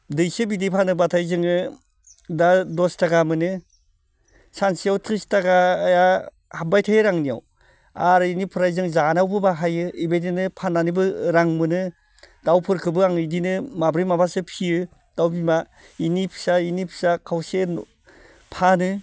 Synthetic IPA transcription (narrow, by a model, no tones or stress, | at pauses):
dɯjsebidipʰanɯbatʰajzɯŋɯ | dadɔstaɡamɯnɯ | sansijawtʰɾistaɡaːja | habajtʰajɯɾaŋnija̰w | aɾinipʰɯɾajzɯŋzanawbɯbaɦajɯibejdinɯpʰanːanibɯɾaŋmɯnɯ | d̥awpʰɯɾkʰɯbɯaŋɯdinɯmabɾijmabasɯpʰiɯ | d̥awbima | inipʰi̥sainipʰi̥sakʰawse | pʰanɯ